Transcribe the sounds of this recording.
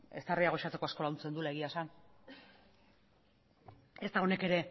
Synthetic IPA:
e̞st̪ariaɣ̞o̞ʃat͡se̞ko̞asko̞launt͡se̞nd̪ulaeɣiasan | e̞st̪aɣo̞ne̞ke̞ɾe̞

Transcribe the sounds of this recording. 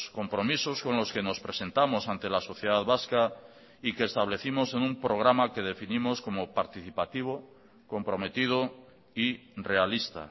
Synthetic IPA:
sko̞mpɾo̞misosko̞nloske̞no̞spɾe̞sẽ̞nt̪amo̞sant̪e̞laso̞θjeð̞aðβaska | ike̞ːst̪aβ̞le̞θimo̞se̞numpɾo̞ɣ̞ɾamake̞ðe̞finimosko̞mopaɾt̪iθipat̪iβ̞o | ko̞mpɾo̞me̞t̪ið̞o | ire̞alist̪a̰

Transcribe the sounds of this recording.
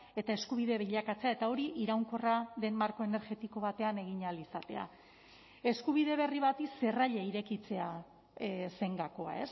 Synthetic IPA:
e̞t̪ae̞skuβ̞iðe̞βiʎakat͡se̞ae̞t̪ao̞ɾiʔiɾawŋko̞raðe̞mmaɾkoe̞ne̞ɾɣe̞t̪iko̞β̞at̪e̞ane̞ɣ̞iɲalisat̪e̞̰a̰ | e̞skuβ̞iðe̞β̞e̞riβ̞at̪ise̞raʎeiɾe̞kit͡se̞a | se̞ŋɡako̞a̰e̞s

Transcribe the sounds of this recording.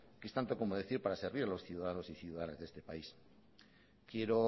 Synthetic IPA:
kest̪ant̪o̞ko̞moð̞e̞θiɾpaɾase̞ɾβ̞iɾalo̞sθjuðaðano̞siθjuðaðaneðe̞st̪epais | kje̞ɾo

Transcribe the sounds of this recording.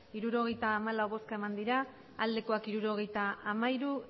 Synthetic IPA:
iɾuɾo̞ɣe̞jt̪aːmalawβo̞skaemand̪iɾaː | ld̪e̞ko̞akiɾuɾo̞ɣe̞jt̪aamaiɾu

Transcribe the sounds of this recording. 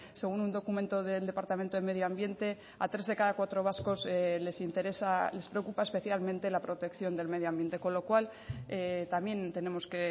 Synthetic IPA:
se̞ɣ̞unund̪o̞kument̪o̞ðe̞ld̪e̞paɾt̪amẽnt̪oðemeðjoambje̞nt̪e̞ | a̰t̪ɾe̞zðe̞kaðakwat̪ɾo̞β̞asko̞sele̞sint̪e̞ɾe̞sale̞spɾeokupaespe̞θjalmẽnt̪e̞lapɾo̞t̪e̞kθjo̞nd̪e̞lme̞ð̞joambje̞nt̪e̞ko̞nlo̞kwal | et̪amje̞nt̪e̞ne̞mo̞ske̞

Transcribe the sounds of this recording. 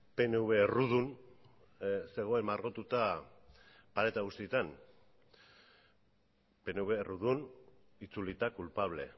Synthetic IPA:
pe̞neuβe̞ruðun | se̞ɣ̞o̞e̞maɾɣo̞t̪ut̪a | paɾe̞t̪aɣust̪it̪an | pe̞neuβe̞ruðun | it͡sulit̪akulpaβ̞le̞̰

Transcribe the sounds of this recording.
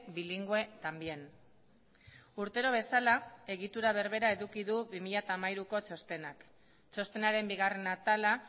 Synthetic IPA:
biliŋɡue̞t̪ambien | uɾt̪e̞ɾo̞β̞e̞salae̞ɣit̪uɾaβe̞ɾβe̞ɾae̞ðukiðuβimiʎat̪aːmajɾuko̞t͡ʃo̞st̪e̞nak | t͡ʃo̞st̪e̞naɾe̞mbiɣare̞nat̪ala

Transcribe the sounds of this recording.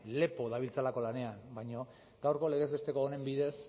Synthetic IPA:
le̞po̞ðaβ̞ilt͡salako̞lane̞anbajɲo̞ | ɡawɾko̞le̞ɣ̞e̞zβe̞st̪e̞koːne̞mbiðe̞s

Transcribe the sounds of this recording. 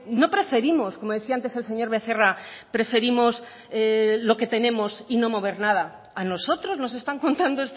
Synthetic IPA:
no̞pɾe̞fe̞ɾimo̞skomo̞ð̞eθiaant̪ese̞lse̞ɲo̞ɾβe̞θe̞rapɾe̞fe̞ɾimo̞s | lo̞ke̞t̪e̞nẽ̞mo̞sino̞mo̞βe̞ɾnaða | ano̞so̞t̪ɾo̞zno̞s̬e̞st̪aŋko̞nt̪and̪oest̪

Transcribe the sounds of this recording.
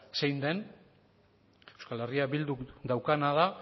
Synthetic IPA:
sejnd̪e̞n | ewskale̞riaβild̪ud̪awkanaða

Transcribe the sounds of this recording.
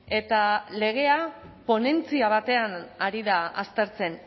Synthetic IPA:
e̞t̪ale̞ɣ̞e̞apo̞ne̞nt͡siaβ̞at̪e̞anaɾiðaast̪e̞ɾt͡se̞n

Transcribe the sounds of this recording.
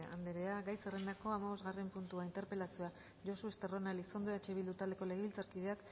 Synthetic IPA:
a̰nd̪eɾe̞aɡajserend̪ako̞amaβo̞zɣare̞mpunt̪uaint̪e̞ɾpe̞lasua | ʝo̞soest̪ero̞naliso̞nd̪oat͡ʃe̞βild̪ut̪ald̪e̞ko̞le̞ɣeβilt͡saɾkið̞e̞ak

